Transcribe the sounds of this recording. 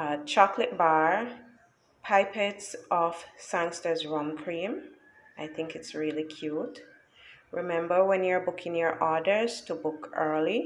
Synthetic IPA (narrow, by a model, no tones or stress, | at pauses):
t͡ʃʰɑklɨt̚baɹ | pʰaɪpɛtsʔɔfsãŋstə˞zɹɔ̃mkʰɹ̥ĩm | ʔaɪθɪ̃ŋkɨtsɹilˠikʰj̥ut | ɹɪmɛ̃mbə˞wɛ̃njə˞bʊkʰɪ̃njə˞ʔɔdə˞z̥tʰubʊkɜ˞lˠi